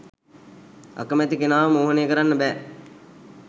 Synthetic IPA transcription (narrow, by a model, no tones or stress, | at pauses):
ɐ̰kəmæt̪ikenaːʋmoːɦəneːkəɾanːəbɛː